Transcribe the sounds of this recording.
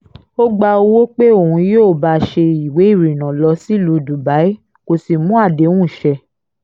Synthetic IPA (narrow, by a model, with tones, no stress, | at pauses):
o˦ɡ͡ba˧o˧˦wo˦k͡pe˦o˨hũ˧joː˦˨ba˧ʃe˧i˨we˨˦i˦˨ɾi˨nã˨lɔ˧˦si˦˨lu˧˦du˨ba˨˦i˦ | ko˧si˨mũ˦a˦˨dẽ˨˦ũ˦˨ʃɛ˧